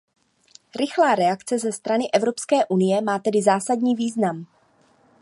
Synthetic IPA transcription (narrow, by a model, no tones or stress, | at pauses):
ɾɪxlaːɾɛakt͡sɛzɛst̪ɾanɪʔɛvɾo̞pskɛːʔunɪjɛmaːt̪ɛdɪzaːsadɲiːviːznam